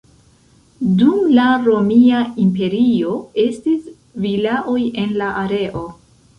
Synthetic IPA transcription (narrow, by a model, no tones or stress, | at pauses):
dumlaɾo̞miaimpe̞ɾio̞e̞stis | vilaʔo̞je̞nlaʔaɾe̞ʔo̞